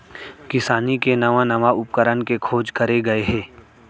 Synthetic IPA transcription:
kɪsaːnikenɐʋãnɐʋaʊp̚kəɾənkekʰoːd͡ʒkɐɾeɡɐeɦɛ̃ː

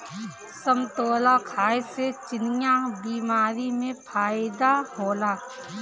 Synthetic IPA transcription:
səmt̪oːlakʰaːjset͡ʃɪnijabiːmaːɾimẽpʰaːɪd̪ahoːlaː

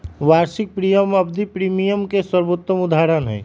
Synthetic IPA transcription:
waɾsik̚pɾijəməbd̪ʱipɾimijəmkeswəɾbot̪ːəmud̪aɾənɦɛ̰ː

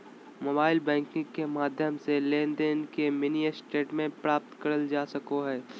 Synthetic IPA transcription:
moːbaːɪlbɛ̃ːŋkɪ̃ŋkemaːd̪ʱjəmselẽːnd̪ənkemɪnijəsʈeːʈmẽpɾaːp̚t̪kɐɾəld͡ʒaːsɐkoɦɛː

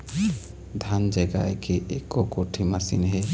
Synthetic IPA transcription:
d̪ʱand͡ʒaɡa̰ekeʔekokoʈʰimasḭnɦɛ

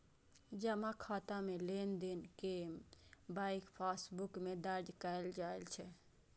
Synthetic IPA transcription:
d͡ʒɐmãkʰaːt̪amẽleːnd̪enkembaːɪkpʰaːsbʊkmẽd̪əɾd͡ʒkəld͡ʒaːelt͡ʃʰɛ

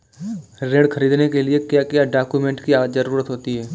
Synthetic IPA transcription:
ɾẽːɽkʰɐɾiːd̪nekelɪekjakjaɖaːkjumẽːɳʈkiaːəzɐɾuːɾət̪ɦoːt̪iɦɛː

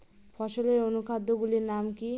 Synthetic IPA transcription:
fʰɔʃoleɾonukad̪ʱːoɡuliɾnamki

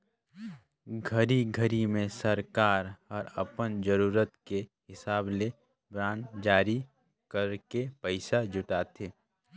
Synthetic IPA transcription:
ɡʱəɾiɡʱəɾimẽsəɾkaːɾɔːɾəpənd͡ʒəɾuːɾət̪keɦɪsaːble | bɾaːnd͡ʒaːɾi | kəɾkepəɪsad͡ʒʱʊʈaːt̪ʰeː

